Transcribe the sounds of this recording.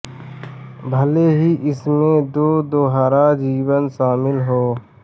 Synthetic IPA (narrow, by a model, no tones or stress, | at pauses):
bʱəleːɦiːʔɪsmẽd̪oːd̪oːɦaːɾaːd͡ʒiːwənʃaːmɪlɦoː